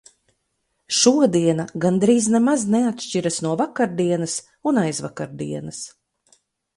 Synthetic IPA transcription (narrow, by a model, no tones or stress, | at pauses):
ʃuɔd̪iɛnaɡand̪ɾiːznɛmazneat̪ʃt͡ʃiɾasnuɔvakaɾd̪iɛnɐs | unajzvakaɾd̪ḭɛnɐs